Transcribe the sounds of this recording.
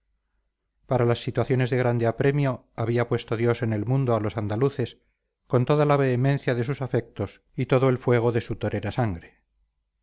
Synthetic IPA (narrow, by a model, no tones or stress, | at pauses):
paɾalasːit̪waθjo̞ne̞zðe̞ɣ̞ɾand̪eapɾe̞mjo̞ | aβ̞iapwe̞st̪oðjo̞se̞ne̞lmũnd̪oalo̞sand̪aluθes | ko̞nt̪o̞ðalaβeːmẽn̟θjaðe̞susafe̞k̚t̪o̞s | it̪o̞ðoe̞lfwe̞ɣ̞o̞ðe̞sut̪oɾe̞ɾasaŋɡɾe